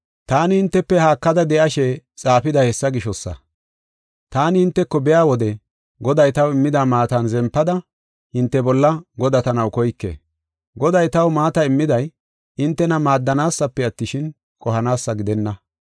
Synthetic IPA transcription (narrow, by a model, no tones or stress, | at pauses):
t̪aːnɪhɪnt̪ːɛpːɛhaːkːɐd̪ɐd̪ɛʔɐʃɛt͡sʼaːpɪd̪ɐhɛsːɐɡɪʃɔsːɐ̰ | t̪aːnɪhɪnt̪ːɛkːɔbɛjaːwɔd̪ɛ | ɡɔd̪ɐjt̪ɐwɪmːɪd̪aːmaːt̪ɐnzɛmpːɐd̪ɐ | hɪnt̪ːɛbɔlːɐɡɔd̪ɐt̪ɐnɐwkɔjkːḛː | ɡɔd̪ɐjt̪ɐwmaːt̪ɐɪmːɪd̪ɐj | ɪnt̪ːɛnɐmaːd̪ːɐnaːsːɐpːɛɐt̪ːɪʃɪn | kʼɔɦɐnaːsːɐɡɪd̪ɛnːɐ